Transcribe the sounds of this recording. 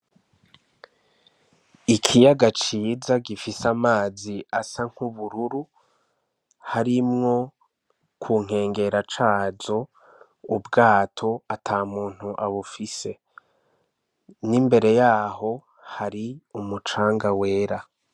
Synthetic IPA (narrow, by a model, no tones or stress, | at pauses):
ikʰijaɡat͡ʃiːzaɡifisamaːziasaŋ̥huβuɾuɾu | haɾimŋo̞ | kʰuːŋ̥e̞ːŋɡe̞ɾat͡ʃaːzo̞ | ubɡaːtʰo̞atʰaːmuːn̥huʔaβufise̞ | nimbe̞ɾe̞jaːɦo̞ | haɾiumut͡ʃaːŋɡawe̞ːɾa